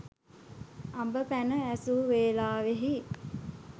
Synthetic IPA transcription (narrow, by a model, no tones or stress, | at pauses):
ambəpænəæsuʋeːlaːʋeɦi